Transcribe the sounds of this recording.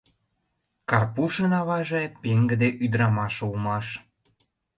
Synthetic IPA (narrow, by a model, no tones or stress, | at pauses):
kɑrpuʃənɑβɑʒepeŋɡə̆d̪eʔyd̪əɾɑmɑʃulmɑʃ